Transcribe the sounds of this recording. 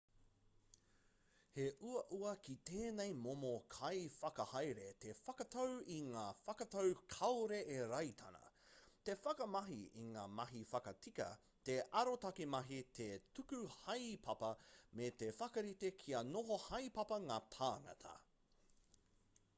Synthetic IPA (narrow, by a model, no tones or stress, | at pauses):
heʔuɐʔuɐkit̪eːnejmomokʰɐjfɐkɐhajɾet̪efɐkɐt̪ʰowiŋaːfɐkɐtowkʰɐwɾeʔeɾɐjt̪ʰɐ̰nɐ̰t̪efɐkɐmɐɦiḭŋaːmɐɦifɐkɐtʰikɐ̰ | teʔɐɾotɐkimɐɦit̪ʰetʉkʉhɐjpʰɐpɐmet̪efɐkɐɾitekʰiɐnoɦohɐjpɐpɐŋaːt̪ʰaːŋɐ̰tʰɐ̰